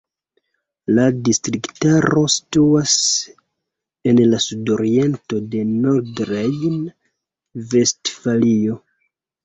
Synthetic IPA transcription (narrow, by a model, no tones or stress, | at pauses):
ladistɾiktaɾo̞si̥tuas | e̞nlasudo̞ɾie̞nto̞de̞noɾdɾejn | ve̞stfalio̞